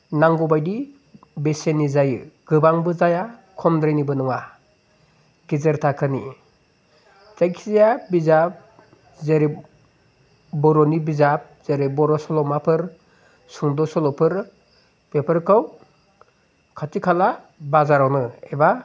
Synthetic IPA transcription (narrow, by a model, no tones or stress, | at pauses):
naŋɡɔbajdi | besenizajɯ̰ɡɯbaŋbɯzajakʰɔmdɾejnibɯnɯŋa | ɡ̥izɯɾtʰakʰɯni | zajkʰizjabizap̚ | zeɾi | bɔɾɔnibizap̚z̥eɾibɔɾɔsɔlɔmapʰɯɾ | suŋdɔsɔlɔpʰɯɾ | b̥epʰɯɾkʰaw | kʰatikʰala | bazaɾawnɯeba